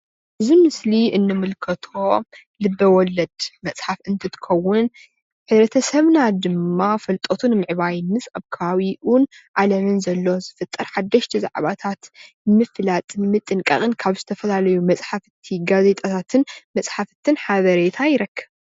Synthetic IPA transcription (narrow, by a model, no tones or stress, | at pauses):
ʔɨzimɨsliʔɨnːɨmɨlkʰɐt̪ʰo̞ | lɨbːɐwɔlɐd̪̥mɐt͡sʼħafɨnt̪ʰɨt̪ʰɨ̥kʰɐwːʊn | ħɨdɾɐt̪ʰɐsɐβnad̪ɨmːafɐlt̪ʼot̪ʰunɨmɨʕβajnmɨsaβkʰɐβaβiʔunʔalɐmɨnzɐlːo̞zɨfɐt̪ʼːɐɾħad̪ːɐʃt̪ʰiza̰ʕβat̪ʰat̪ | mɨflat̪ʼmɨt̪ʼɨŋkʼɐ̰χʼɨnkʰaβzɨt̪ʰɐfɐlalɐjumɐt͡sʼħafɨt̪ʰiɡaze̞t̪ʼat̪ʰat̪ʰɨnmɐsʼħafɨt̪ʰɨnħaβɐɾet̪ʰajɪɾɐkʰːɐβ